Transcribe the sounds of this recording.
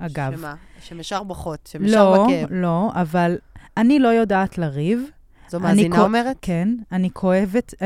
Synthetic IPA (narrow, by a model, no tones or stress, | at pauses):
ʔaɡavaʃemeʃaʁbaχot̪ʃemlolo̞avalanilo̞jo̞daːtlaʁiv | zaninomeʁetkenanikʰo̞evet